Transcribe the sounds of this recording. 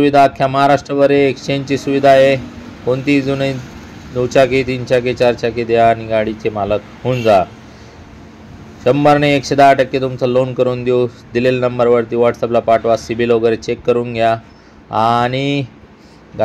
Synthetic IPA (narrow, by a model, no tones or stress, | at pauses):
uʋid̪ʱaːkʰːjaməɦaɾaʂʈɾəʋəɾeːkst͡ɕẽɲt͡ɕisuʋid̪ʱaje | kont̪iːd͡zunəi | d̪ut͡ɕaket̪int͡ɕaket͡ɕaɾt͡ɕaked̪ejaniɡaɽit͡ɕemalət̪ | hund͡za | ɕəmbəɾɳeːkɕed̪aːʈəkːet̪umt͡salonkəɾuːnd̪jo | d̪ilelnəmbəɾʋəɾt̪iːʋaʈsəplapaʈʋasibʱiloɡəɾet͡ɕekːəɾuːnɡʱja | aɽ̃i | ɡ